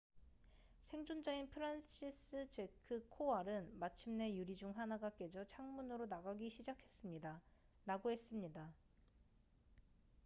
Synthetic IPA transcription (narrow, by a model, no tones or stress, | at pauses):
sʰe̞ŋd͡ʑond͡ʑainpʰɯɾanɕʰis͈ɯd͡ʑe̞kʰɯkʰoaɾɯnmat͡ɕʰimne̞juɾid͡ʑuŋɦanaɡak͈e̞d͡ʑʌt͡ɕʰaŋmunɯɾonaɡaɡiɕʰid͡ʑakʰe̞s͈ɯmɲida | ɾaɡoɦe̞s͈ɯmɲida